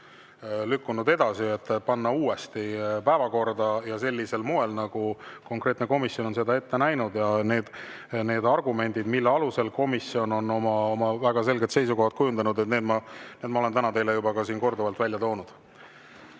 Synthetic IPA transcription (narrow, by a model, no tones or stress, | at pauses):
lykːunud̪e̞d̪ɑsie̞t̪ːˑpɑnːɑuːe̞st̪ipæevɑko̞rd̪ɑjɑse̞lʲːise̞lmoe̞lnɑɡ̥uko̞ŋkre̞ːt̪neko̞misjo̞no̞nse̞d̪ɑe̞t̪ːe̞næjnud̪jɑne̞ːd̪̥ | ne̞ːd̪ɑrɡume̞nʲd̪̥id̪̥milːeɑluse̞lko̞misːio̞no̞no̞mɑomɑvæɡ̥ɑse̞lɡe̞t̪se̞jsuko̞hɑt̪̚kujund̪̥ɑnud̪et̪ne̞ːd̪mɑneːd̪mɑolet̪ænɑt̪e̞jlejubɑkɑsiːnko̞rd̪ovɑlt̪vælʲjɑt̪o̞ːnud̪̥